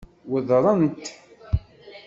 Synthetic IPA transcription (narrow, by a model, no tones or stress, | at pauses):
wəðɾˤɑnt̪